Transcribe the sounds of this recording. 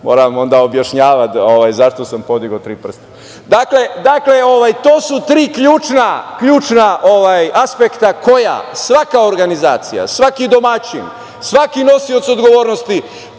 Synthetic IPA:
mo̰ːɾamo̞nd̪aobjaʃɲaːʋat̪oʋajzaʃt̪o̞sampo̞d̪iɡot̪ɾiːpr̩st̪ḁ | d̪akle̞d̪akle̞oʋajt̪o̞ːsut̪ɾiːkʎuːt͡ʃnakʎuːt͡ʃnaʔoʋajaspekt̪ako̞ja̰sʋakao̞ɾɡanizaːt̪sija̰sʋakid̪o̞mat͡ɕḭn | sʋakino̞siot̪so̞d̪ɡo̞ʋo̞ːɾno̞st̪i

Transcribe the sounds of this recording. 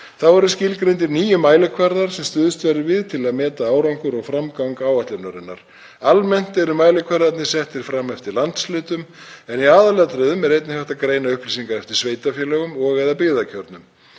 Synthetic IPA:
θawɛɾʏscɪlkɾejnt̪̬ɪɾniːjʏmaːjlʏkʰvaɾðaɾ̥sɛmst̪ʏðʏst̪vɛɾɪvɪðt̪ʰɪlaðmɛːt̪aaːwɾawŋkʏɾɔɣfɾamkaŋkaːwaht̪lʏnaɾɪnːa̰ɾ̥ | almɛn̥t̪ɛɾʏmaːjlɪkʰvaɾðaɾt̪nɪ̥sɛht̪ɪɾ̥fɾamːɛft̪ɪɾlant̪slʏːt̪ʏmɛniaːðalɛːat̪ɾœːðʏmɛɾejt̪nɪhaht̪akɾeːjnaʏhplisiŋkaɾɛft̪ɪɾ̥sveːjt̪afjɛlɛɣʏmɔɣɛðapɪːðacʰœɾt̪nʏm

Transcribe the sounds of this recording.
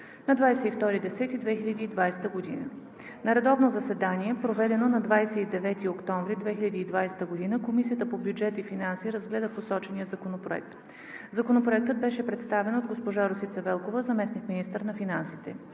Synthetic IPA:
nɐd̪vajsɛift̪ɔɾid̪ɛsɛt̪id̪vɛxilʲɐd̪iːd̪vajsɛ̥t̪əɡod̪ḭnə̰ | nɐɾɛd̪ɔvnozɐsɛd̪aniɛpɾovɛd̪ɛnonɐd̪vajsɛid̪ɛvɛt̪iokt̪ɔ̃ɱvɾid̪vɛxiʎʲɐd̪iːd̪vajsɛ̥t̪əɡod̪inəkomisiət̪əpobjud͡ʒɛt̪ifinansiɾɐzɡlɛd̪əposɔt͡ʃɛnijəzɐkonopɾoɛ̰k̚t̪ | zɐkonopɾoɛk̚t̪əd̪̚bɛʃɛpɾɛt̪st̪avɛnod̪ɡospoʒaɾosit̪sɐvɛlˠkovəzɐmɛsnikminist̪əɾnɐfinansit̪ɛ

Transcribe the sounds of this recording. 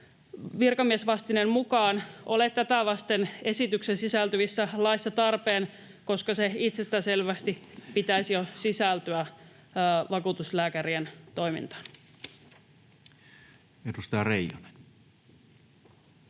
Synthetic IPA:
ʋirkɑmiesʋɑst̪inemmukɑːnʔolett̪ːæt̪æʋɑst̪ene̞sit̪yksensisælt̪yʋisːælɑisːɑt̪ɑrpeːn | ko̞skɑseit̪sest̪æse̞lʋæst̪ipit̪æisijosisælt̪yæ | ʋɑkuːt̪uslæːkæɾient̪o̞jmḭnt̪ɑ̥n | edust̪ɑjɑrḛijone̥n

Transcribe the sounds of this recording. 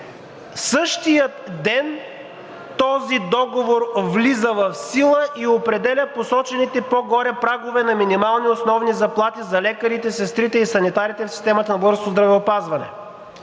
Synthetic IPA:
sɤʃt̪ijət̪d̪ɛn | t̪ɔzid̪ɔɡovoɾvlizəvɐfsilˠəʔiopɾɛd̪ɛlʲəposɔt͡ʃɛnit̪ɛpɔɡɔɾɛpɾaɡʊvɛnɐminimalˠniosnɔvnizɐplˠat̪izɐlɛkəɾit̪ɛsɛst̪ɾit̪ɛisɐnit̪aɾit̪ɛfsi̥st̪ɛmɐt̪ɐnɐbəɾskozd̪ɾɐvɛopazvɐnɛ̰

